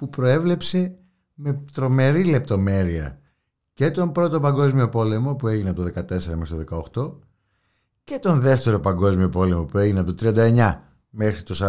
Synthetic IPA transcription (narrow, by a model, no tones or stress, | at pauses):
pupɾo̞e̞vle̞pse̞ | me̞t̪ɾo̞me̞ɾile̞p̚t̪o̞me̞ɾiɐ̰ | ce̞t̪o̞mpɾo̞t̪o̞pɐŋɡo̞zmio̞po̞le̞mo̞pue̞ʝineɐpot̪oðe̞kɐt̪e̞se̞ɾɐmexɾit̪oðe̞kɐoxt̪o̞ | ce̞t̪o̞nðe̞ft̪e̞ɾo̞pɐŋɡo̞zmio̞po̞le̞mo̞pue̞ʝineɐpot̪ot̪ɾiɐnd̪ɐeɲɐ | me̞xɾit̪o̞sɐ